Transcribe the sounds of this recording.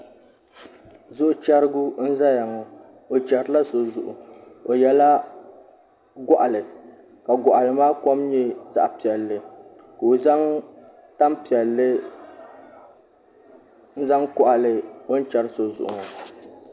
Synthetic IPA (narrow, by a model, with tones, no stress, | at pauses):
zʊ˦ʔʊ˦t͡ʃa˦ɾɨ˦ɡu˦n̩˦za˦ja˨ŋɔ˨ | o˨t͡ʃa˨ɾla˦so˨zʊ˨ʔʊ̰˨o˨jɛ˦la˦ | ɡɔ˦ʔa˨lɨ˨ | ka˨ɡʊ˨ʔa˨lɨ˨maː˦kɔ˦mɲɛ˦za̰˨ʔpi˨ɛ˨lːɨ˨ | ko˨o˨za˦ŋ | ta˦mpi˨ɛ˨lːɨ˦ | n̩˦za˦ŋkʊ˦ʔa˨lɨ˨o˦n˦t͡ʃa˨ɾɨ˦so˨zʊ̰˨ʔʊ̰˨ŋ˨